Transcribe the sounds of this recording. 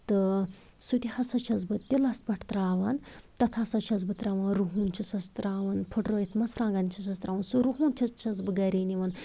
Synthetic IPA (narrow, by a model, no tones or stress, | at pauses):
t̪ɨ | sut̪ʲihɐsɐt͡ʃʰɐzbɨt̪ʲilɐsbɐʈʰt̪ɾaːʋɐnt̪ɐt̪ʰɐsɐt͡ʃʰɐzbɨt̪ɾɐːʋɐnɾuɦuːnt͡ʃʰisɐst̪ɾaːʋɐnpʰuʈroːjit̪ʰmɐsɾãːɡɐnʲt͡ʃʰisɐst̪ɾaːʋɐnsuɾuɦuːnt͡ʃʰɐt͡ʃʰɐzbɨɡɐɾiːniʋɐn